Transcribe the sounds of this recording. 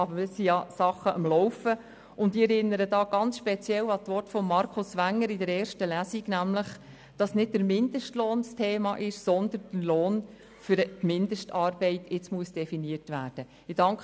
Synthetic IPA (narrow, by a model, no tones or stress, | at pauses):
ɑbəɾmɪsijɑsɑχːəʔɑmlɔʊfə | ʊndiɛɾɪnːəɾədɑːɡ̥ɑnt͡sʃpɛt͡sjɛlɑt̪ʋɔtfɔmːɑɾkʰʊsʋæŋːəɾidəɾɛːɾʃtəlæsiɡnæmləχ | d̥ɑsnɪd̚d̥əɾmɪndəʃtloːnstʰeːmɑʔɪʃsɔnd̪ənd̥əloːn | fʏɾtmɪndəʃtɑːrb̥ɛɪtɪt͡smuəsd̥ɛfiniərtʋæːɾd̥ə | ɪd̥ɑŋk